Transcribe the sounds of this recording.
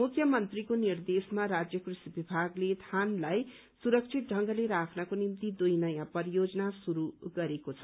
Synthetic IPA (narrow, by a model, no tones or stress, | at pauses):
mukʰjʌmʌnt̪rikonird̪esmaɾad͡zjʌkrisibibʱaɡlet̪ʰanlaj | suɾʌk̚t͡sʰit̪̚ɖʱʌŋɡʌleɾakʰnʌkonimt̪id̪ujnʌjãpʌjod͡zʌnasuɾuɡʌɾekot͡sʰʌ